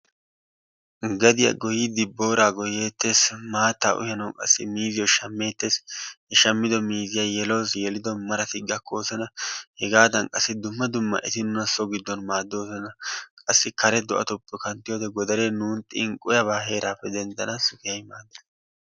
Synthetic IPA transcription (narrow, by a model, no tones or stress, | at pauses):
ɡɐd̪ɪjɐ̰ɡɔjɪd̪ɪbːo̞ːɾaːɡɔje̞ːt̪ːe̞ːsmaːt̪ːa̰ːʔʊ̰jɐnɐwkʼɐ̰sːɪ̰miːzɪjɔʃɐmːe̞ːt̪ːe̞ːshɛʃɐmːɪd̪ɔmiːzɪjajɛloːsjɛlɪd̪ɔmɐɾɐt̪ɪɡɐkʰːo̞ːsɛnɐhɛɡaːd̪ɐnkʼɐsːɪd̪ʊmːɐd̪ʊmːɐ̰ʔɛ̰t̪ɪnʊnɐsɔɡɪd̪ːɔnmaːd̪ːo̞ːsɔnɐkʼɐsːɪkɐɾɛd̪ɔʔɐ̰t̪ɔpʼːɔkɐnt̪ːɪjoːd̪ɛɡɔd̪ɐɾenuːnt̪ʼɪŋkʼːʊjɐβaːɦe̞ːɾaːpːɛd̪ɛnd̪ɐnɐsʊkɪjɐjmaːd̪ːɐ